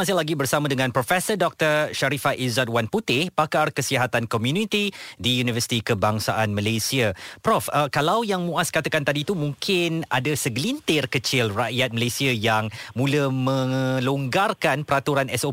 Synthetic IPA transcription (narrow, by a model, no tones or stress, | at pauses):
as̬ɪlaɡibərsamãdəŋãnpɾofɛsədɔk̚t̪ərʃaɾifaʔizat̪̚wanput̪ɪhpakarkəsiɦat̪ankɔmjunit̪idijunivəsit̪ikəbaŋsaʔanməlesiapɾɔfəkalawjaŋmũaskat̪akant̪adit̪umũŋkʰɪna̰dasəɡlint̪ɪrkət͡ʃɪlraʔjat̪̚məlesiajaŋmũləmə̃loŋɡarkanpəɾat̪uɾanɛso